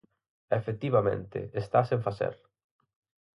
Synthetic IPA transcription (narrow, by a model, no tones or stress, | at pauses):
efet̪iβamḛ̃nt̪ɪ̰est̪asẽɱfaθḛɾ